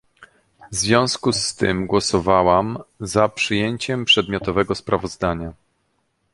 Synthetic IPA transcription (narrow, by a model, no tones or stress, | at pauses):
vzvʲjɔ̃w̃skust̪ɘ̰mɡwɔsɔvawamzapʂɘjeɲt͡ɕɛmpʂɛd̪mʲjɔt̪ɔvɛɡɔspɾavɔzd̪aɲa